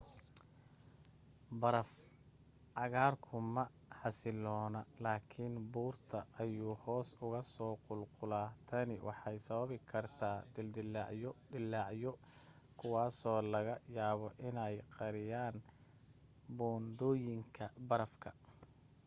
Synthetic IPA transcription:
bɐɾɐf | ʕɑɣaːrkʰʊmɐ | ħɑsɪlɔːnɐlaːkʰɪnbuːrt̪ʰɐʔːjuːhɔːsʊɣɐsɔːqʊlqʊlaːt̪ʰɐnɪwʔɑ̰ħɑjsɐβɐβɪkʰɐrt̪ʰaːd̪ɪld̪ɪlʕjɔd̪ɪlːɑʕjɔ | kʰʊwɑːsɔːlɐɣɐjaːβɔʔɪnɛjqɑɾɪjaːn | bɔːnd̪ɔːjɪŋkʰɐbɐɾɐfkʰɐ

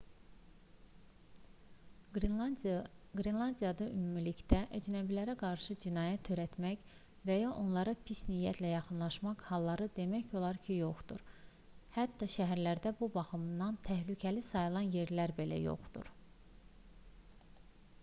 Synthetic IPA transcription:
ɡɾinlˠɑnd̪ijɑd̪ɑʔymumiliçd̪æʔæd͡ʒnæbilæɾæɡɑɾʃɯd͡ʒinɑːjæt̪ʰːø̞ɾæt̪mæç | væjɑʔo̞nlˠɑɾɑpʰisnijːæt̪ʰlæjɑxɯnlˠɑʃmɑqhɑlˠːɑɾɯd̪e̞mæço̞lˠɑɾcʰijo̞χd̪ṵɾ | hæt̪ːɑʃæɦæɾlæɾd̪æbubɑxɯmnːɑnt̪ʰæhlycʰælisɑjɯlˠɑnje̞ɾlæɾbe̞læ̰jo̞̰χd̪̥ṵɾ

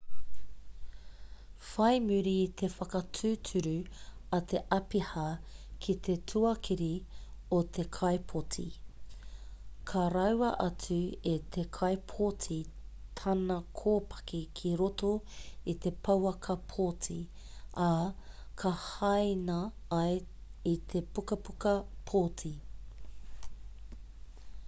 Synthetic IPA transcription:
fɐjmʉɾiːt̪ʰefɐkɐtʰʉːtʰʉɾʉɐt̪ʰe̞ʔɐpihɐkʰit̪ʰe̞tʰʉɐkʰiɾiot̪ʰe̞kʰɐjpʰotʰḭ | kʰɐɾɐwɐʔɐt͡sʉet̪ʰe̞kʰɐjpʰotʰit̪ʰɐnɐkʰoːpʰɐ̥kikʰiɾotoit̪e̞pʰɐwɐkʰɐpʰotʰi | ɐkʰɐhɐjnɐɐjit̪ʰe̞pukɐpukɐpʰotʰi

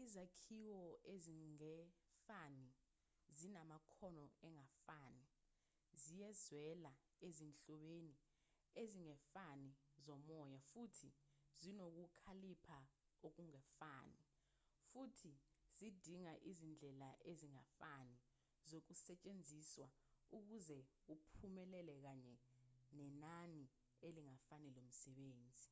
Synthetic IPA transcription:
izakʰiwɔeziŋɛfani | zinamakʰɔnɔɛŋafaːni | zijɛzwɛla | ezint͡ɬɔɓeːni | eziŋɛfanizɔmɔjafutʰizinok̬ukʰalipʰa | ok̬uŋɛfaːni | futʰiz̥id̥ʱiŋaʔizind͡ɮʱɛlaʔeziŋafani | zok̬usɛt͡ʃʼend͡zʱiswa | uk̬uzɛ | upʰumɛlɛlɛk̬aɲɛnɛnani | eliŋafanɛlom̩sɛɓeːnd͡zʱi

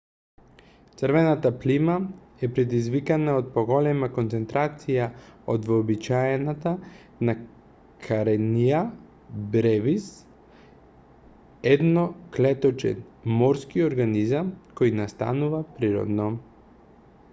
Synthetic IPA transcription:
t̪sɾvɛnat̪aplima | ɛpɾɛd̪izvikanaot̪̚poɡɔlɛmakont̪sɛnt̪ɾat̪sijaod̪vːbit͡ʃaɛnat̪a | na | kʰaɾɛnija | bɾɛvis | ɛd̪nɔklɛt̪ɔt͡ʃɛ̰nmɔɾskioɾɡanizamkɔjnast̪a̰nuvapɾiɾɔ̰d̪nɔ

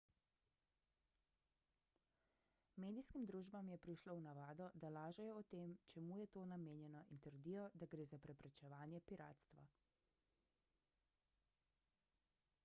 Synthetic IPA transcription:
meːd̪iskimd̪ɾuːʒbamjɛpɾiʃlownaʋaːd̪ɔd̪alaːʒɛjɔɔt̪eːmt͡ʃɛmuːjɛt̪oːnameːnjɛnɔʔint̪əɾd̪iːjɔd̪aɡɾeːzapɾɛpɾɛt͡ʃɛʋaːnjɛpiɾa̰ːt̪st̪ʋa̰

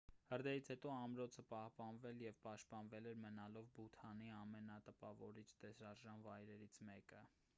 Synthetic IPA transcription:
həɾd̪ɛɾit͡sʰhɛt̪ɔɑmɾɔt͡sʰəpɑhpɑnvɛljɛvpɑʃt̪̚pɑnvɛlɛɾmənɑlɔvbut̪ʰɑniɑmɛnɑt̪əpɑvɔɾit͡ʃʰt̪ɛsɾɑɾʒɑnvɑjɾɛɾit͡sʰmɛkə

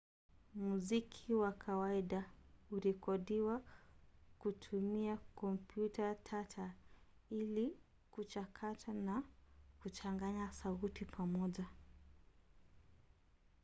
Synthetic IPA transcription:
muzikʰiwakʰawaiɗauɾikɔɗiwa | kutʰumiakɔmpjutatʰatʰaili | kut͡ʃakʰatʰanakut͡ʃaŋɡaɲasautipʰamɔʄa

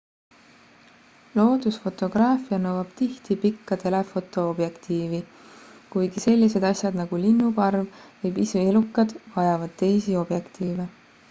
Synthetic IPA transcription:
lo̞ːd̪̥usfo̞t̪ˑo̞ɡ̥rɑːfijɑnɤwɑb̥t̪iht̪ipikːɑt̪e̞le̞fo̞t̪ˑo̞ob̥je̞kt̪iːvi | kujɡ̥ise̞lʲːise̞d̪ɑsʲjɑd̪nɑɡ̥ulinːupɑrvvɯjpiseelukːˑɑd̪̥vɑjɑvɑd̪̥t̪e̞jsio̞b̥je̞kt̪iːve

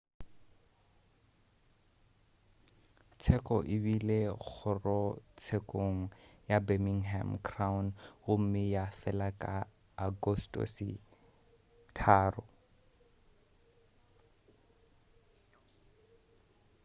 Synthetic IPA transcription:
t͡sʰɛkʼɔʔɪbileɣʰʊrɔt͡sʰekʼoŋ̩jabemiŋɦɛmkʰrawnɣʊm̩mɪjafɛlakʼaː | ɡɔstʼɔ̰sɪ̰ | tʰaːrʊ

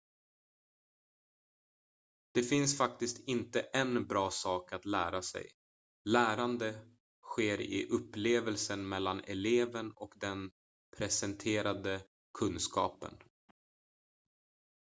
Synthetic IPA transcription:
d̪̥ɛfɪnsfak̚t̪ɪst̪ɪnt̪əʔɛnbɾɑːsɑːkat̪læːɾasɛ̰j | læːɾand̪ə | ɧeːɾɪ̰ʔɵpːleːvəlsənmɛlːanɛleːvənɔkd̪ɛn | pʰɾɛsɛnt̪ʰeːɾad̪ə | kʰɵnskɑ̰ːpə̰n

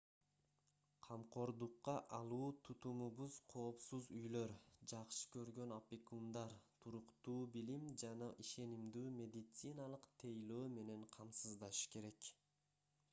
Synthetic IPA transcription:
qʰɑmqʰo̞ɾd̪uqːɑʔɑlˠuːt̪ʰut̪umuβuz̥qʰo̞ːpsuzyjlø̞ɾd͡ʒɑqʃɯ̥kø̞ɾɡø̞nopʲikund̪ɑɾt̪ʰuɾuqt̪uːbilimd͡ʒɑnɑʔiʃe̞nimd̪yːmʲe̞d̪it̪sɨnɑlˠɯqt̪ʰejløːme̞ne̞ɴqʰɑmsɯzd̪ɑʃɯ̥ke̞ɾe̞k

